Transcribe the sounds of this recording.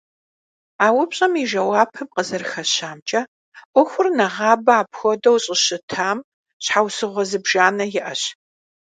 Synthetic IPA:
aːwʊpɕʼɐmiʒɐwaːpʰɨmqəzɐrxɐɕaːmt͡ʃʼɐ | ʔʷɔxʷʊrnɐʁɑːbɐaːpxʷɔdɐwɕʼɪɕɨtʰaːm | ɕħawsɨʁʷɔzɨbʒaːnɐjɪʔɐɕ

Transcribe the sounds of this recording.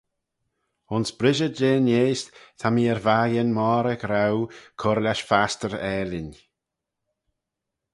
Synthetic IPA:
ʊnsb̥ɾɪʒəd͡ʒeːnjeːstt̪ʰamiːɛɾvaːjənmɔːɾəɡɾawkʰɔɾlʲaʃfastəɾɛːlɪn

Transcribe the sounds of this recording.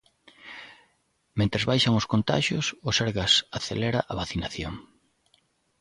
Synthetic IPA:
mẽnt̪ɾezβajʃaŋʊskont̪a̰ʃjosʊseɾɣasaθḛlɛɾaʔɐβaθinaθjoŋ

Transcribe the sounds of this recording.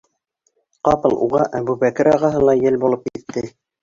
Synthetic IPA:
qɑpɤ̆lˠʔṵʁɑʔæbʉβækɘɾɑʁɑɦɤlˠɑjɘlbulˠɤp̚kit̪ːɘ

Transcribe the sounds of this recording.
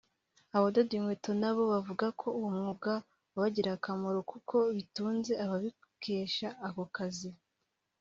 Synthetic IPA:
aβododiŋwetonaβo̞βavuɡakʰo̞uwumŋuɡa | βaɟiɾakamoɾokukʰo̞βituːnze̞aβaβi | ke̞ːʃaːko̞kazi

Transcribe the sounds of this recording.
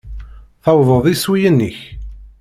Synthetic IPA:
θɑwðˤəðˤiswijənːiç

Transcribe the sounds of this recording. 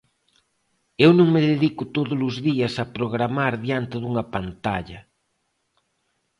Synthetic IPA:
ewnõŋmeðeðikʊt̪oðʊlʊzðiɐsɐpɾoɣ̞ɾamaɾðjant̪eðuŋɐpant̪aʎɐ

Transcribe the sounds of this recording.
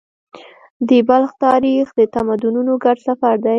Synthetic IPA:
d̪əbalxt̪ɑɾixd̪ət̪amad̪ununoɡaɖsafaɾd̪a

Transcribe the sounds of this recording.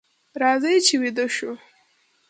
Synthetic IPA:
ɾɑzəjt͡ʃewid̪əʃu

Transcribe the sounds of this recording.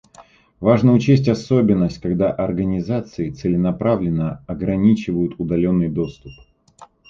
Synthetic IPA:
vaʐnəʊt͡ɕesʲtʲɐso̞bʲɪnːəsʲtʲkɐɡd̪aʔɐrɡənʲɪzat̪sɨɪt̪sɨlʲɪnɐpɾavlʲɪnːəɐɡɾɐnʲit͡ɕɪvəjʊt̪ʊd̪ɐlʲo̞nːɨjd̪o̞st̪ʊp

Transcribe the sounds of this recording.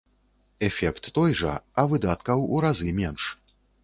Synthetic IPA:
ɛfʲɛkt̪ːɔjʐɐ̰ɐvɨd̪at̪kɐwuɾazɨmʲɛnʂ

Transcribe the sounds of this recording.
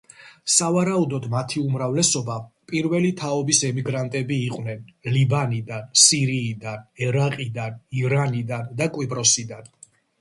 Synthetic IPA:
savaɾaud̪ɔd̪mat̪ʰiumɾavlɛsɔbapʼiɾvɛlit̪ʰaɔbisɛmiɡɾant̪ʼɛbiːqʼwnɛnlibanid̪ansiɾiːd̪anɛɾaqʼid̪aniɾanid̪and̪akʼwipʼɾɔsid̪an

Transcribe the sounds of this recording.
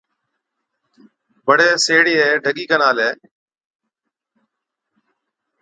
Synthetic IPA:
bəɽeːseːɽiːeːɖʱəɠiːkənaːleː

